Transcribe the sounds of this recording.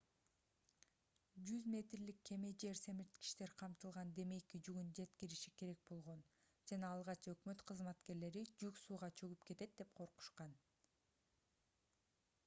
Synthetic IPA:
d͡ʒyzmʲe̞t̪ɾlikʰːe̞me̞d͡ʒe̞ɾse̞miɾt̪ki̥ʃt̪e̞ɾqʰɑmt̪ɯlˠʁɑnd̪e̞me̞jkid͡ʒyɡynd͡ʒe̞t̪kiɾiʃike̞ɾe̞k̚bo̞lˠʁo̞n | d͡ʒɑnɑːlˠʁɑt͡ʃø̞kmø̞t̪qʰɯzmɑt̪ke̞ɾle̞ɾid͡ʒyksuːʁɑt͡ʃʰøɡypke̞t̪e̞t̪̚d̪e̞pqʰoɾqu̥ʃqɑn

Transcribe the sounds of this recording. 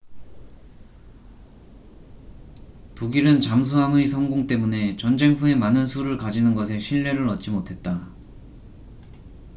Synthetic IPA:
toɡiɾɯnt͡ɕams̬ʰuɦamɯisʰʌŋɡoŋt͈e̞mune̞t͡ɕʌnd͡ʑe̞ŋɸʰue̞manɯnsʰuɾɯɭkad͡ʑinɯnɡʌsʰe̞ɕʰiɭːe̞ɾɯɾʌt̚t͡ɕ͈imotʰe̞t̚t͈a

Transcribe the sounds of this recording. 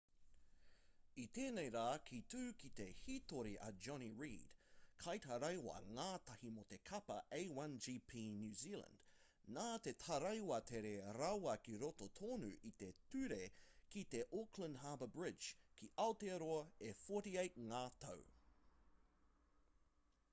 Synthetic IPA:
it̪eːnejɾaːkʰit̪ʰʉːkit̪e̞hit̪oɾiʔɐ̰d͡ʒɔniɹḭːd̥kʰajtʰɐɾɐjwɐ̰ŋaːt̪ʰɐhimot̪e̞kʰɐpɐ̰ʔeɪwɐ̃nd͡ʒiːpʰiːnjʉːziːlə̰̃nd̥ | naːt̪e̞t̪ʰɐɾɐjwɐt̪ʰeɾeɾɐwɐkiɾot̪ot̪ʰoːnʉ̰ʔit̪e̞t̪ʉɾekit̪e̞ʔokʰlə̃ndɦaːbəbɹɪd͡ʒkʰiʔawt̪eɾoɐefoɾiejt̚ŋaːt̪ʰɐ̰w

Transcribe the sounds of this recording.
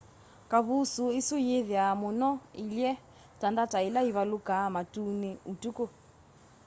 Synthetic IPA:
kaβusuisujeðjamunɔilɛ | tandatailaiβalukamatuniutuko

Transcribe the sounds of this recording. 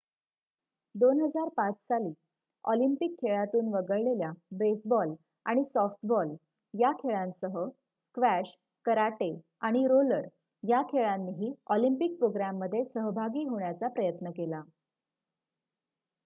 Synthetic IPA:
d̪onɦəd͡zaɾpat͡ssaliː | ɔ̰limpikʰːeɭat̪uːnʋəɡəɭleljabesbɔl | aɽ̃isɔfʈbɔl | jakʰeɭãnsəɦə | skʋæɕ | kəɾaʈe | aɽ̃iɾoləɾ | jakʰeɭanːiɦiːɔlimpik̚pɾoɡɾamːəd̪ʱːjesəɦbʱaɡiːɦoɳjat͡sapɾəjət̪nəkela

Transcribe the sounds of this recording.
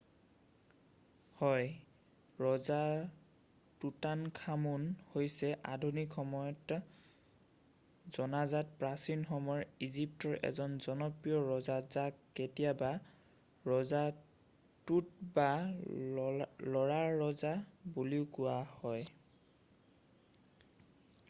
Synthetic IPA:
hɔj | ɹɔza | tutankʰamunhojsɛʔadʱunikʰxɔmɔjɔt | zɔnazatpɹasinxɔmɔɹizip̚tɔɹʔɛ̰zɔnzɔnɔpɹijɔɹɔzazakketijaba | ɹɔza | tutba | lɔɹaːɔzabuliʊkʊahɔj

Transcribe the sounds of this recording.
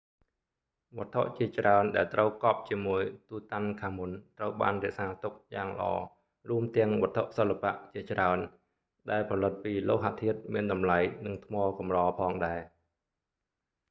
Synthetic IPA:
ɓŏət̪ʰːoʔt͡ɕiət͡ɕraənɗaɛlt̪rəwkɑːp̚t͡ɕiəmuəjt̪uːt̪ankʰaːmunt̪rəwɓa̰ːnrɛ̆əʔsaːt̪uk̚jaːŋlə̆ʔɑ̰ː | ruəmt̪ɛ̆əŋɓɔ̆ət̪ʰːoʔsəlːapaʔt͡ɕiət͡ɕraən | ɗaɛlpʰɑlɨt̪̚piːloːɦat̪ʰːiət̪̚miənɗɑmlajnɨŋt̪ʰmɑːlkɑmrɑːpʰɑːŋɗaɛ

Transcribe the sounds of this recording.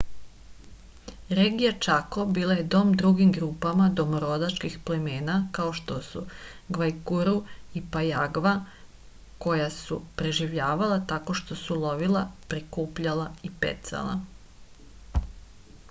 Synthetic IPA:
ɾeɡijat͡ʃakobiːlˠaje̞d̪o̞ːmd̪ɾuɡimɡɾuːpamad̪o̞moɾo̞d̪at͡ʃkixpleme̞ːnakao̞ʃt̪o̞sṵ | ɡʋajkuɾuipajaɡʋa | ko̞jasupɾe̞ʒiʋʎaːʋalˠat̪ako̞ʃt̪o̞sulˠo̞ʋilˠapɾikuːpʎalˠaipḛt̪sa̰lˠa̰

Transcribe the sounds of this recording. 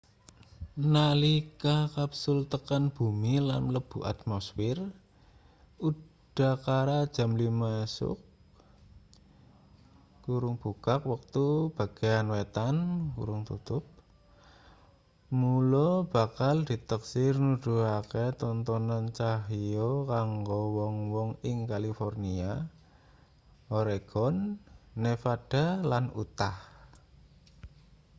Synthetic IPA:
nalikakapsʊlt̪əkanb̥ṳmilanləb̥uʔa̰t̪mɔsfɪr | u | d̥a̤hkaɾad̥ʒ̥a̤mlimaesʊ̰k̚ | uɾʊŋb̥ṳkak̚wək̚t̪ub̥a̤ɡ̥eanwet̪ankṵɾʊŋt̪ṵt̪ʊp̚ | mulɔb̥a̤kald̪̥i̤t̪əksɪrnud̪̥ṳaket̪ɔnt̪ɔnant͡ʃaɦiokaŋɡowɔŋwɔŋɪŋkalifɔrnia | oɾeɡ̥ɔnːefad̥a̤lanṵt̪ah

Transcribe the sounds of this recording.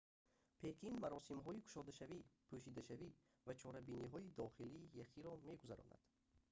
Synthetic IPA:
pʰe̞kʰinmaɾɔsimɦɔikʰu̥ʃɔd̪aʃavipʰuʃid̪aʃavi | vat͡ʃʰɔɾabiniɦɔid̪ɔχiliːjaχiɾɔme̞ɡuza̰ɾɔ̰na̰d̪̥

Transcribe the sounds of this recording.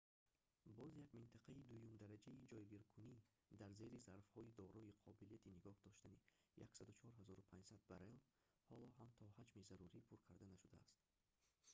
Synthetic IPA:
bɔzjaɡmint̪ʰaqʰaid̪ujumd̪aɾad͡ʒaid͡ʒɔjɡiɾkʰuni | d̪aɾze̞ɾizaɾfhɔid̪ɔɾɔiqʰɔbilijat̪ʰiniɡɔhd̪ɔʃt̪anija̰ksad̪ut͡ʃʰɔɾɦazɔɾupʰand͡ʒsad̪̚baɾel | hɔlɔɦamt̪ʰɔhad͡ʒmizaɾuɾipʰuɾkʰaɾd̪anaʃud̪a̰ːst̪

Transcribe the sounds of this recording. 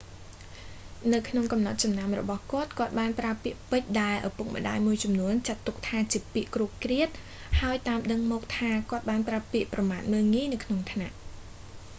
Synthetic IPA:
nɨwkʰnoŋkɑmnɑt̪̚t͡ɕɑmnamrɔ̰ɓɑhkŏət̪̚kŏət̪̚ɓaːnpraəpiəʔpɨc̚ɗaɛlʔɑpuk̚mə̰̆ɗa̰ːjmuəjt͡ɕɑmnuənt͡ɕat̪ːuk̚t̪ʰaːt͡ɕiəpiəʔkruəp̚kriət̪̚ | haəjt̪aːmɗəŋmɔːk̚t̪ʰaːkŏət̪̚ɓaːnpraəpiəʔprɑmaːt̪̚məːlŋiːnɨwkʰnoŋt̪ʰnaʔ

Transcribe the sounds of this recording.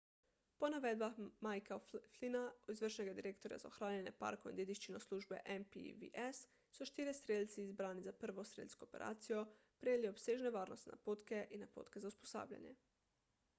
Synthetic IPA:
ponaʋed̪̚baxmajkaflinaizʋər̩ʃneɡad̪iɾekt̪oɾja̰zaoxɾaːɲene̞pa̰ɾkoind̪ʲed̪iʃt͡ʃinosluʒbḛʔempḭʋḭʔes | suʃt̪iːɾest̪ɾeːʎʲt̪siizbɾaːnizapr̩ʋost̪ɾḛːʎʲskoːpeɾʔa̰ːt̪sijo | pɾeɲeliopseːʒneʋaːɾnost̪ʲina̰poːt̪ke̞ʔinapoːt̪kezausposa̰ːbʎa̰ɲḛ

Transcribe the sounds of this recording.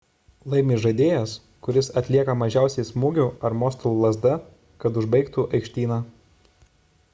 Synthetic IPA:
lˠɐɪmʲiːʒɐd̪ʲeːjɛs | kʊɾʲɪsɐt̪ʲlʲiɛkɐmɐʒʲæˑʊsʲɛɪsmʊːɡʲʊːˑɐɾmɔːst̪ɔlˠlˠɐzd̪ɐ | kɐt̪ʊʒbɐɪkt̪uʔɐɪkʃʲt̪ʲiːnɑː

